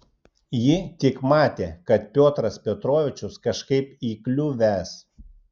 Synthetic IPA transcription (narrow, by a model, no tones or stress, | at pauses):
jɪt̪ʲɪkmɑːt̪ʲeːkɐt̪̚pʲoːt̪ɾɐspʲɛt̪ɾoːʋʲɪt͡ʃʲʊskɐʃkɐɪpiːklʲuːʋʲæːs